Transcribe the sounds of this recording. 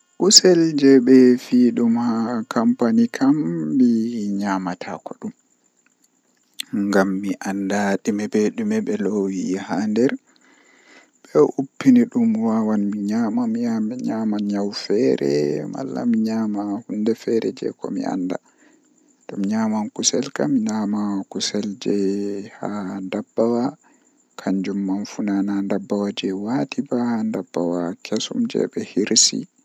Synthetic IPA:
ʔusɛld͡ʒɛɓɛfiːɗumhakʰampanikʰamːiɲamatʰa̰kɔɗum | ŋɡamːiʔandaɗimɛbɛɗumɛɓɛlowihandɛɾ | ɓɛʔupːiniɗumwawanmiɲamamiamɛɲamanɲawfɛːɾɛ̰ma̰lːa̰miɲaːmahundɛfɛɾɛd͡ʒɛ̰kɔmḭa̰nda | ɗɔmɲaːmankusɛlkamiɲamakusɛld͡ʒɛhandabːawa | kʰaɲd͡ʒumːanfunanandabːawad͡ʒɛwatʰibandabːawakʰɛsumd͡ʒɛ̰ɓɛhiɾsḭ

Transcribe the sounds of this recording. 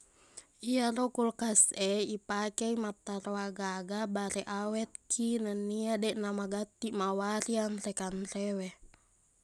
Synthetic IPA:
ʔiaɾokulkasɛipakɛimap̚t̪aroaɡaɡabaɾɛʔawɛt̪̚kʰinəniadɛʔnamaɡat̪iʔmawaɾianrɛkanrɛwɛ

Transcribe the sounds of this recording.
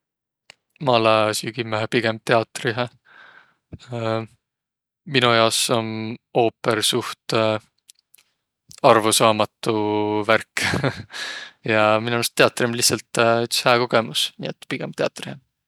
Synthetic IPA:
mɑlɑsykimːæɦɑpiɡ̥e̞mb̥̚t̪e̞ɑt̪ːˑriɦæ | minujɑoso̞no̞ːpːersuht̪ | ɑrvusɑːmɑt̪ːˑuværk | jɑminunst̪e̞ɑt̪ːˑrimlihsɑlt̪yt̪shæːko̞ɡ̥e̞musnḭːet̪ːpiɡ̥emb̥̚t̪e̞ɑ̰t̪ːˑrihe

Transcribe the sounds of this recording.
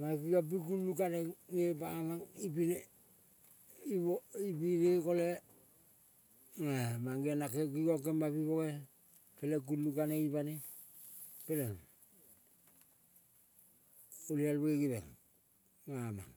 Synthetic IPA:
makiɡap̬ikulːukaneŋebaːmaŋipine | ioipiɡekole | ŋemaŋɡenakekikokemaβiβoɣe | pelek̬ulːukaneibane | peleŋ | ulialbeɡiβḛŋ | ŋama̰ŋ

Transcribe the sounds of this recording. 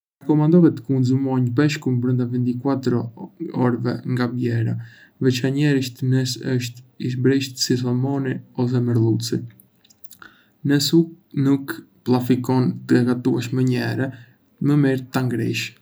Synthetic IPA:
akɔmand̪ɔvɛt̪əkunzumɔɲbɛʃkumbɾənd̪avint̪ikwat̪ɾɔɔɾvɛ̰ŋɡabjɛɾa̰vɛt͡ʃaɲɛɾiʃt̪nɛsəʃt̪iʃbɾiʃt̪sis̬amɔniɔs̬ɛməɾlˠut͡si | nɛsuk | nuk | plˠafikɔnt̪əɛkat̪uɛʃmɛɲɛɾɛ | məmiɾt̪aŋɡɾḭʃ

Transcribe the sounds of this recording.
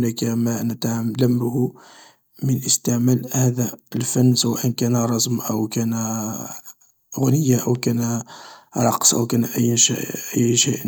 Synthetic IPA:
nækæmænət̪ʕmləmːhu | mənʔəst̪əʕmælhæd̪æəlfænːswæʔənkænɾˤɑsˤmʔəwkænæ | ɣʊnəjːaʔəwkænæɾˤɑqsˤʔə̰wkænʔəjːʃʔʔəjːʃeʔ

